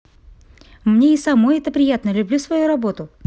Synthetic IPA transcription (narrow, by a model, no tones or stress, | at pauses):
mnʲeisɐmo̞jɛt̪əpɾʲɪjat̪nəlʲʊblʲusvɐjuɾɐbo̞t̪ʊ